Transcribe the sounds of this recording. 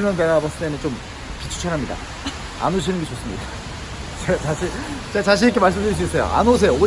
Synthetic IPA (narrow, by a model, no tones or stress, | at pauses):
mjandaɾabas͈ɯt͈ement͡ɕom | pit͡ɕʰu̥t͡ɕʰʌɾɦamɲida̰ | a̰noɕ̬ʰinɯnɡet͡ɕops͈ɯmɲida | t͡ɕet͡ɕaɕʰit͡ɕat͡ɕaɕ̬ʰiik̬ʰemaɭs͈ɯmdɯɾis̬uis͈ʌjo̰ʔa̰nos̬ʰejoo